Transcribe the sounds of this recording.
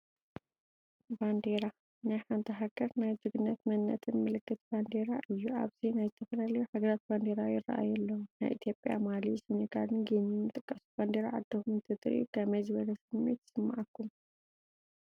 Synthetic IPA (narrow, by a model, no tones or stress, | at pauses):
band̪eɾa | najħant̪ʰɐɦaɡ̥ɐɾnajd͡ʒɨɡɨnːɐt̪mɐnːɐt̪ʰɨnmɨlɨkːɨt̪band̪eɾaʔɨjːuʔa̰βz̥inajzɨt̪ʰɐfɐlɐlɐjuħaɡɐɾat̪̚band̪eɾajɪrːɐa̰ʔa̰jɐlːɐwuna̰jʔḭt̪ʰjo̞pʼja̰malisɨniɡalɨnɡenimːɨt̪ʼɨkʼːɐsuband̪eɾa̰ʕad̪ːɐkumnt̪ʰɨt̪ʼɨɾʔḭkʰɐmɐzɨβɐlɐsɨmːḛt̪sɨmːa̰ʕakːum